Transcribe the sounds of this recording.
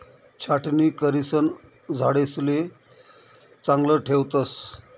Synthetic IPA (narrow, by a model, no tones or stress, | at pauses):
t͡ɕʰaʈniːkəɾisən | d͡zʱaɽesle | t͡saŋɡləʈʰewt̪əs